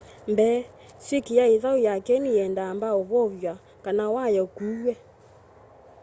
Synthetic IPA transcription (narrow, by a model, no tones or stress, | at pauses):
mbɛ | sekijaeðaujakɛniɛndaːmbaoβɔβjwa | kanawajɔkuwɛ